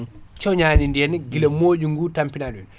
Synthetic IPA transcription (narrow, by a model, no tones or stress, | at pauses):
t͡ʃɔɲaːnindɛnɡilemoːɟuŋɡutampinalun